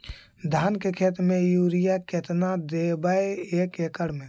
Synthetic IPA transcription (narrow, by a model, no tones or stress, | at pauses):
d̪ʱaːnkekʰeːt̪ɾmẽjuːɾijaket̪nad̪ebəeeːkekəɽmẽ